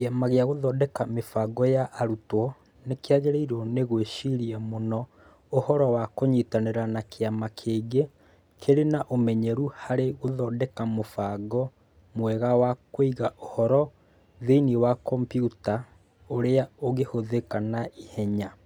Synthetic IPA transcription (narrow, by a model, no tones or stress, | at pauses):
kamaɣeaɣoðɔːdɛkamefaɡɔjaʔːɾutwɔ | nekeaɣeɾeiɾɔneɣweʃiɾiɛmonɔ | ohɔɾɔwakoɲitaneɾanakeamakʰeːɡe | kʰeɾenaʔomɛɲɛɾuhaɾeɣoðɔdɛkamofaɡɔ | mwɛɣawakoiɣaʔohɔɾɔ | ðeiniwakɔmpjuta | oɾeaoɣehoðekanaihɛɲa